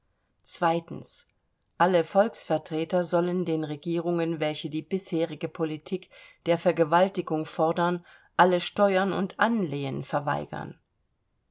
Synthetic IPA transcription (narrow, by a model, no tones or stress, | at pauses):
t͡sv̥aɪtn̩s | ʔaləfɔlksfɛɐtʁ̥eːtɐzɔləndeːnʁeɡiːʁ̞ʊŋənvɛlçədiːbɪsheːʁɪɡəpʰolitʰiːkd̥eːɐfɛɐɡəvaltɪɡʊŋfɔɐdɐn | ʔaləʃtɔʏɐnʊ̰ntʔanleːənfɛɐva̰ɪɡ̥ɐ̰n